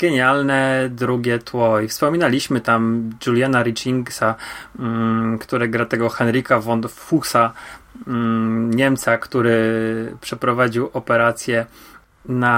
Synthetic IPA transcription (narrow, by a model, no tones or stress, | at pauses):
ɡ̥ɛɲalnɛd̪ɾuɡʲɛt̪wɔjfspɔmʲinalʲiɕmɘt̪amd͡ʒulʲjanaɾit͡ʂiŋɡsa | kt̪uɾɛɡɾat̪ɛɡɔxɛnɾikavɔnt̪fusa | ɲɛmt̪sakt̪uɾɘpʂɛpɾɔvad͡ʑiwʔɔpɛɾat̪sʲjɛ | na